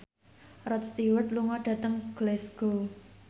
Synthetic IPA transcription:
rɔt̪st̪iwət̪̚luŋɔɖ̥ä̤t̪əŋɡ̥lɛsɡ̥o

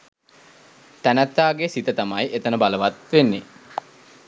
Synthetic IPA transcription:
t̪ænæt̪ːaːɡesit̪ət̪amajʔet̪ənəbaləʋat̪ʋenːe

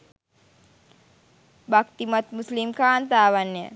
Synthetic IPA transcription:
bakt̪imat̪muslimkaːnt̪aːʋanːjə̰

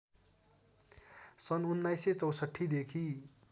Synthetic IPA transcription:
sʌnunːajset͡sʌwsʌʈʰːid̪ekʰi

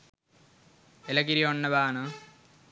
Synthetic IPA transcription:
elɐɡiɾioɳːɐbaːnɨ

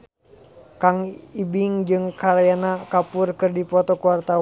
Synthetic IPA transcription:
kaŋibɪŋd͡ʒɨŋkaɾajanakapʊrkɨrdipɔt̪ɔkuwart̪a

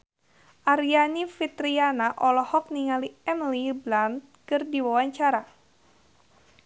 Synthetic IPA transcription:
ʔaɾianifit̪ɾianaʔɔlɔhɔk̚niŋaliɛnliblant̪̚kɨrdiwawaɲt͡ʃaɾa

